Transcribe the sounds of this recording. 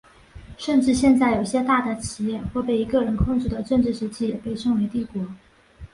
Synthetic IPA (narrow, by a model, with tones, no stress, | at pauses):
ʂə˥˧nʈ͡ʂɻ̩˥˧ɕjɛ˥˧nt͡sa˥˩ɪjo˨˩ʊ˩ɕjɛ˥t̪a˥˩d̪ə˩t͡ɕʰi˨˩jɛ˥˧xwɔ˥˧pe˥˩ɪi˧˥kɤ˥˩ɻə˧˥nkʰʊ˥˧ŋʈ͡ʂu˥˩d̪ə˩ʈ͡ʂɤ˥˧ŋʈ͡ʂɻ̩˥˩ʂɻ̩˧˥t͡ɕʰi˥˩jɛ˨˩pe˥˧ɪʂɤ˥˩ŋwe˧˥ɪt̪i˥˩kwɔ˧˥